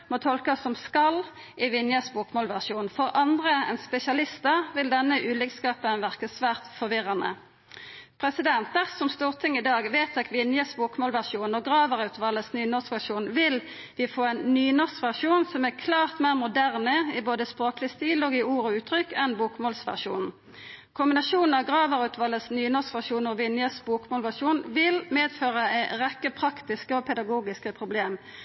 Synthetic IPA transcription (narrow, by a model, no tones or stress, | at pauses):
mɔt̪ʰɔlkɑsːɔmskɑl | ʔɪʋɪnjəsbuːkmoːlʋæʁʂuːnfɔʁʔɑnd̪ʁəɛ̰nspɛsɪɑlɪst̪əʁʋɪld̪ɛnːəʔʉːlɪkskɑːpənʋæʁkəsʋæːʁt̪fɔʁʋɪʁɑnə̰ | pʰʁɛsɪd̪ɛnt̪əʁsɔmst̪uːʁt̪ʰɪŋɪd̪ɑːɡʋeːt̪ʰɛkʋɪnjəsbuːkmoːlʋæʁʂuːnɔɡʁɑːʋəʁɑʉt̪ʋɑːləsnyːnɔʁskʋæʁʂuːnʋɪl | ʋɪfoːɛnːyːnɔʁskʋæʁʂuːnsɔmækʰlɑːʁt̪mæːʁmʊd̪æʁnəɪboːd̪əspʁoːklɪst̪iːlɔːɡɪuːɾɔʉːt̪ʁʏkːɛnbuːkmoːlsʋæ̰ʁʂṵːnn̩ | kʰʊmbɪnɑʃuːnn̩ɑʋɡʁɑːʋəʁʉt̪ʰʋɑlːəsnyːnɔsʋæʁʂuːnɔʋɪnjəsbuːkmoːlʋæʁʂuːnʋɪlmeːd̪føːʁəæɪʁɛkːəpʰʁɑkt̪ɪskəɔpʰɛd̪ɑɡuːɡɪskəpʰʁʊbleːm